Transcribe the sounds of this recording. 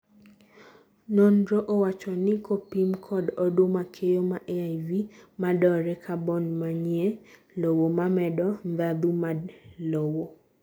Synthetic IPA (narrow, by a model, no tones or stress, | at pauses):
nɔndɾɔʔowat͡ʃɔnɪkopimkʰɔdɔdomakʰejomaʔeajvimadɔɾɛkʰabɔnmaɲie | lowomamɛdɔndad̪umalowo